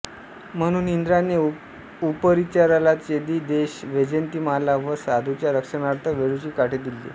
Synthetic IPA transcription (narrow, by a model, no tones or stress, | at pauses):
m̤əɽ̃uːnind̪ɾane | upəɾit͡ɕaɾalat̪jed̪iːd̪eɕʋed͡ʑent̪iːmalaʋəsad̪ʱut͡ɕjaɾəkʂənaɾt̪ʰəʋeɭut͡ɕiːkaʈʰed̪ilːḛ